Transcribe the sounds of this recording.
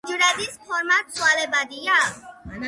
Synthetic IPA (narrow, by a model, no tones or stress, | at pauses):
d͡ʒuɾad̪ispʰɔɾmat̪sualebad̪ija